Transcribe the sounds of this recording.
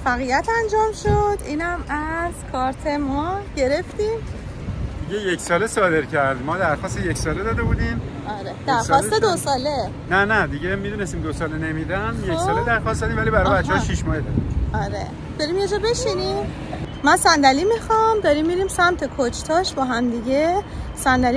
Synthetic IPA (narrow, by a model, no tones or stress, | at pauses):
fæɣijæt̪ʰænd͡ʒɒːmʃod̪iːnæmæzkʰɒːɾt̪ʰe̞mɒɟe̞ɾe̞ft̪iːm | d̪iɟejeksɒːlesɒːd̪e̞ɾcʰæɾd̪mɒːd̪æɾxɒːst̪ejeksɒːled̪ɒːd̪ebuːd̪iːmʔɒːɾed̪̥æɾɒst̪edosɒːle̞ | nænæd̪iɟemid̪uːne̞st̪iːmd̪osɒːlene̞mid̪ænjeksɒːled̪æɾxɒːstd̪ɒːd̪iːmvælibæɾɒjbæt̪t͡ʃːeɒʃiʃmɒːhed̪ɒd̪iɒɾḛ | d̪̥ɒɾiːmjed͡ʒɒːbe̞ʃiniːmː | ænsænd̪ælimixɒmd̪ɒɾiːmːiɾiːmsæmt̪ʰe̞kʰot͡ʃʰt̪ʰɒːʃbɒːɦæmd̪iɟesænd̪æli